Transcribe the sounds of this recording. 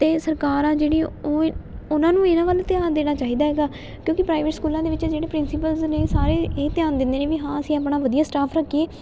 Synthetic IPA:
t̪eːsəɾkaːɾãːd͡ʒeːɽiːoʊnãːnũːeːnãːʋaːlt̪ɪjaːnd̪eːɽ̃aːt͡ʃaːɦiːd̪aːɦɛːɡaː | kjõːkɪpɾaːɪʋeʈskuːlãːd̪eːʋɪt͡ʃd͡ʒeːɽeːpɾɪnsɪpəlzneːsaːɾeːeːt̪jaːnd̪ɪnd̪eːneːʋiːɦãːəsĩːapɳaːʋəd̪ijaːsʈaːpʰɾəkːieː

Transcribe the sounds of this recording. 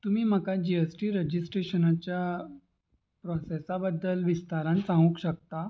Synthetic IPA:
t̪umiːm̤əkad͡ʑiesʈiːɾəd͡ʑisʈɾeɕənat͡ɕja | pɾɔsesabəd̪ːəlʋist̪aɾãnsãŋɡũkɕək̚t̪a

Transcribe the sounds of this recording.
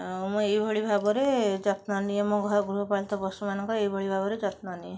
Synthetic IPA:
muejbʱɔɭibʱabɔɾed͡ʒɔt̪nɔniemoɡʱɔɾɔɡɾuɦɔpalt̪ɔbɔsumanɔŋkɔejbʱɔɭibʱabɔɾed͡ʒɔt̪nɔnie

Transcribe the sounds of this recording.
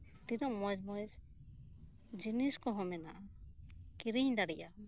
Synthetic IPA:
t̪idɔmɔd͡ʒmɔjz | d͡ʒiniskɔɦɔmɛnaʔa | kiɾiɲdaɽijʔa

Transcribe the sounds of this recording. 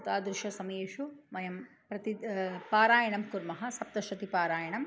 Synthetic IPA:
t̪aːd̪ɾɪʃɐsɐmɐjeːʃumɐjɐm | pɾɐt̪ipaːɾaːjɐɳɐmkuɾmɐɦɐsɐp̚t̪ɐʃɐt̪ipaːɾaːjɐɳɐm

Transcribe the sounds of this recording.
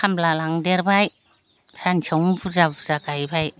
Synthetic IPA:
amblalaŋdeɾbaj | sant͡ʃʰawbuzabuzaɡajbaj

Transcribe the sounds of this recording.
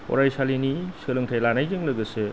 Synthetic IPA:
ɔ̰ɾajsalinisɯlɯŋtʰajlanajzɯŋlɯɡɯse

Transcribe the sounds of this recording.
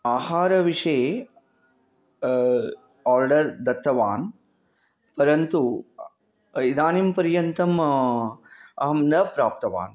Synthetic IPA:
aːhaːɾɐʋiʂɐ | aːɾɖɐɾd̪ɐt̪ːɐʋaːn | pɐɾɐnt̪u | id̪aːnimpɐɾjɐnt̪ɐm | ɐɦɐmnɐpɾaːp̚t̪ɐʋa̰ːn

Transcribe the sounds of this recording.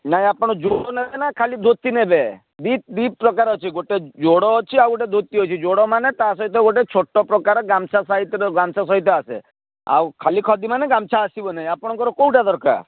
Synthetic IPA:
naɦĩapɔɽ̃ɔd͡ʒoɽɔnebenakʰalid̪ʱot̪inebe | d̪it̪̚d̪ipːpɾɔkaɾɔt͡ʃʰiɡoʈed͡ʒoɽɔt͡ʃʰiawɡoʈed̪ʱot̪ːiɦɔt͡ʃʰid͡ʒoɽɔmanet̪asɔɦit̪jɔɡoʈet͡ʃʰoʈːɔpɾɔkaɾɔɡamt͡ʃʰasaɦit̪ɔɡamt͡ʃʰasɔɦit̪̬jɔasḛ | a̰wkʰalikʰɔd̪imaneɡamt͡ʃʰaːsibɔnaɦĩapɔɽ̃ɔkɔɾɔkowʈad̪ɔɾka̰ɾ

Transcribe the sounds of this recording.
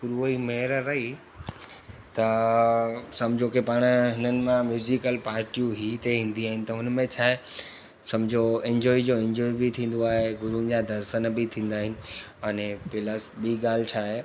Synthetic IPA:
kʊɾuimeːɾɾɐɦi | t̪ɐ | sɐ̃md͡ʑʱokepaːɽ̃ɦɪnənɪ̆mãmjuːzikəlpaːɾʈijũɦiːt̪eɦĩːn̆d̪iaːɦɪnɪ̆t̪ɐʊnmẽt͡ɕʰaːɦe | sɐ̃md͡ʑʱoẽɲd͡ʑɔːid͡ʑoːẽɲd͡ʑɔːibɪt̪ʰĩːn̆d̪oaːɦeɡʊɾund͡ʑad̪ɐɾsənbɪt̪ʰĩːn̆d̪aːɦɪnɪ̆ɐnepɪləsbiːɡaːl̤ɪt͡ɕʰaːɦe

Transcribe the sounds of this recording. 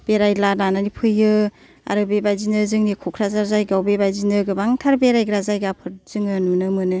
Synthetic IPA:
b̥eɾajlanananipʰɯjɯ | a̰ɾɯbebajzinɯzɯŋnikʰɔkʰɾazaɾzajɡawbebajzinɯɡɯbaŋtʰaɾbeɾajɡɾazajɡapʰɯɾzɯŋɯnunɯmɯnɯ

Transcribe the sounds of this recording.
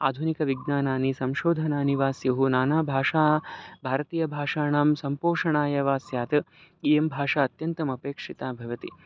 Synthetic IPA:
aːd̪ʱunikɐʋiɡnaːnaːnisɐmʃoːd̪ʱɐnaːniʋaːsjɐɦunaːnaːbʱaːʂaːbʱaːɾɐt̪iːjɐbʱaːʂaːɳaːmsɐmpoːʂɐɳaːjɐʋaːsjaːt̪ɐ | ijembʱaːʂaːɐt̪jɐnt̪ɐmɐpeːkʂit̪aːbʱɐʋɐt̪i

